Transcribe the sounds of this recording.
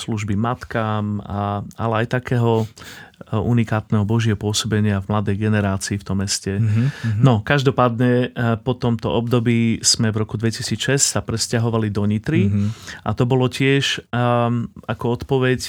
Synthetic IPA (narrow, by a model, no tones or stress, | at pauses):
sluʒbimat̪kaːmaalɛajt̪akɛːɦɔ | unikaːt̪nɛɦɔbɔʒɪɛɦɔpʊɔsɔbɛɲɪavmlad̪ɛjɡɛnɛɾaːt͡siːft̪ɔmːɛscɛnɔkaʒd̪ɔpaːd̪ɲɛpɔt̪ɔmt̪ɔʔɔbd̪ɔbiːsmɛvɾɔkud̪ʋɛcisiːt͡sʃɛssapɾɛscaɦɔʋalid̪ɔɲit̪ɾiʔa̰t̪ɔbɔlɔcɪɛʃ | akɔɔt̪pɔʋɛc